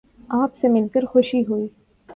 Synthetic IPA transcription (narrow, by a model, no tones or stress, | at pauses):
aːpsemɪlkəɾxʊʃiɦuiː